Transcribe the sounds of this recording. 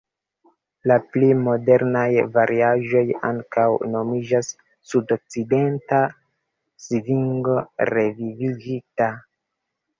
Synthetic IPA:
laplimo̞de̞ɾnajvaɾiaʒo̞ja̰ŋkawno̞mid͡ʒasː | udo̞k̚t͡side̞nta | siviŋɡo̞ɾe̞viviɡita

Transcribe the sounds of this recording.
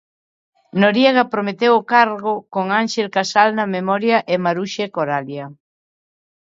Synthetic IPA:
noɾjeɣɐpɾomet̪ewokaɾɣ̞okoŋaŋʃelkasalnɐmemɔɾjaʔemaɾuʃekoɾaljɐ

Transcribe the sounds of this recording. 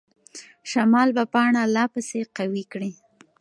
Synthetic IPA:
ʃamɑlbapɑɳalɑpəseqawikɽi

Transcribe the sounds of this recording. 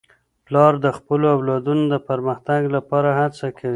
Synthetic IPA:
plɑɾd̪əxpəloawlɑd̪unod̪əpaɾməxt̪aɡlapɑɾahat͡sakʰawi

